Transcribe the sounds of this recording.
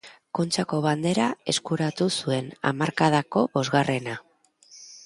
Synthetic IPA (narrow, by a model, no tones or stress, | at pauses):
ko̞nt͡ʃako̞βand̪e̞ɾae̞skuɾat̪usue̞na̰maɾkað̞ako̞βo̞zɣare̞na